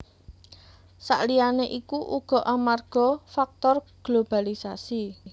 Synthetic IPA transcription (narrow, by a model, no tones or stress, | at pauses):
sa̰ʔlijaneʔikuʔṵɡ̥ɔ̤ʔamarɡ̥ɔ̤fak̚t̪ɔrɡ̥lob̥alisasi